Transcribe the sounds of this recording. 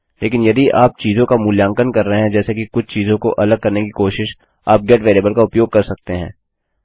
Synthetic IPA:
leːkɪnjɐd̪iʔaːp̚t͡ʃiːzõkamʊljãːŋkənkɐɾːɐɦeɦɛ̃d͡ʒɛːsekikʊt͡ʃʰt͡ʃiːzõkoʔɐləɡ̚kːɐɾnekikoːʃɪʃ | aːp̚ɡɛːʈʋeːleːbəlkaʊpjoːɡ̚kɐɾsɐk̚t̪eɦɛ̃ː

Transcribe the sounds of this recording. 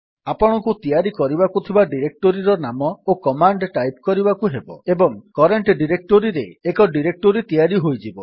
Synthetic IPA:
apɔɽ̃ɔkut̪ijaɾikɔɾibakut̪ʰibaɖiɾek̚ʈoɾiɾɔnamɔokɔmaɳɖʈajpkɔɾibakuɦebɔ̰ebɔŋkɔɾeɳʈɖiɾek̚ʈoɾiɾeːkɔɖiɾek̚ʈoɾit̪ijaɾiɦojd͡ʒibɔ

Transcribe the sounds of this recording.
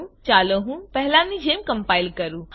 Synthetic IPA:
t͡ʃaːləɦũpɛɦlãnid͡ʒʱeːmkəɐmpaːɪlkəɾu

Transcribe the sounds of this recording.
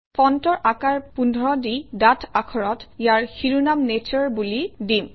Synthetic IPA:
pɔntɔɹʔakaɹpundʱɔɹɔdidatʰakʰɔɹɔtjaɹxiɹunamnet͡ʃɔɹbulidim

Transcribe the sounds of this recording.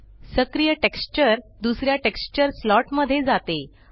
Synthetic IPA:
səkɾijəʈekst͡ɕəɾd̪usɾjaʈekst͡ɕəɾslɔʈməd̪ʱːjed͡zat̪e

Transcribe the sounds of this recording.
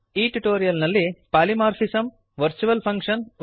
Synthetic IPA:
iːʈuʈoːɾijɐlnɐlːipaːlimaːɾfʰisɐm | ʋɐɾt͡ʃuʋɐlpʰɐŋkʂɐn

